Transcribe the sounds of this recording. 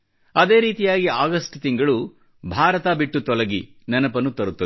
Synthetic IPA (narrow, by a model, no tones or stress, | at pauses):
ɐd̪e̞ːɾiːt̪ijaːɡiaːɡɐsʈt̪iŋɡɐɭu | bʱaːɾɐt̪aːbiʈːut̪ɔlɐɡi | nɐnɐpɐnːut̪ɐɾut̪ːɐ